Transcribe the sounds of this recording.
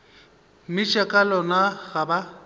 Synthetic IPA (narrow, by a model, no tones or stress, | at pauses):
mɪt͡ʃʼakʼalɔnaɣaba